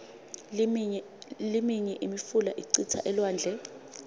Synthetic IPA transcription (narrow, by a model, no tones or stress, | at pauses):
limiɲɛʔimifulaʔiǀit͡sʰa̰ʔɛlwaːnd͡ɮʱɛ